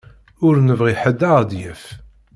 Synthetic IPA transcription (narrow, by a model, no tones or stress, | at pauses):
ʊɾnəvʁiħəd̪ːaʁd̪jəf